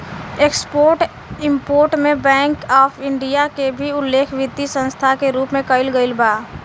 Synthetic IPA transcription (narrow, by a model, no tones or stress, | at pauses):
eːkspoːɾʈ | ɪ̃mpoːɾʈmẽbɛ̃ːŋkɔːpʰɪ̃ɳɖijakebʱiʊlːeːkʰʋɪd̪isə̃nst̪ʰakeɾuːpmẽkəɪlɡəɪlbaː